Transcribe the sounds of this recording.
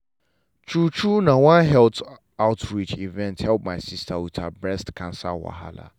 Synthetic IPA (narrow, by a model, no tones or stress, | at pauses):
t͡ʃʰut͡ʃʰunãwãnɦɛlt | aʊtʰɹit͡ʃivɛ̃nthɛlp̚mãɪsistʰawitʰabɹɛstkʰãnsa̰wa̰ɦa̰la̰